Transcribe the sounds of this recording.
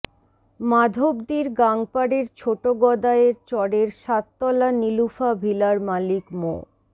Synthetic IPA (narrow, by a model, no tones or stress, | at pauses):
mad̪ʱobd̪iɾɡaŋpaɽeɾt͡ɕʰoʈoɡɔd̪aeɾt͡ɕɔɽeɾʃat̪ːɔlanilufabʱilaɾmalikmo̰